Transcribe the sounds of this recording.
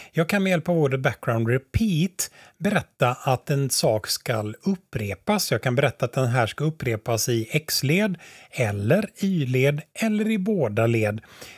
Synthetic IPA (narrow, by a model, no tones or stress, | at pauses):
jɑːɡ̚kʰanmɛjɛlpavoːɾət̪̚bæk̚ɡɾaʊnd̪ɾɛpʰiːt̪bɛɾɛt̪ːaʔat̪ɛnsɑːkskalɵpːɾeːpasjɑːɡ̚kʰanbɛɾɛt̪ːaːt̪̚d̪ɛnɦæːʂkaɵpːɾeːpasɪɛksleːd̪ɛlːəɾyːleːd̪ɛlːəɾɪboːd̪aleːd̪